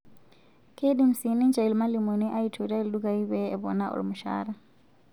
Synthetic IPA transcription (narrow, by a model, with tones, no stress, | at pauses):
kʰe˦ɗi˦m̩˨si˨ni˦nd͡ʒa˨i˨lima˦li˨mu˨ni˦ʔa˦itʰu˨ta˦i˨liɗu˦ka˨i˦βɛɛ˨βɔ̰˨na˦ʔṵ˨lḭ˨mu˨ʃa̰ːɾa